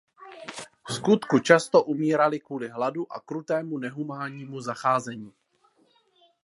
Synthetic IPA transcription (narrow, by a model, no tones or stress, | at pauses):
skut̪kut͡ʃast̪oʔumiːɾalɪkvuːlɪɦladuʔa̰kɾut̪ɛːmunɛɦumaːɲiːmuzaxaːzɛɲiː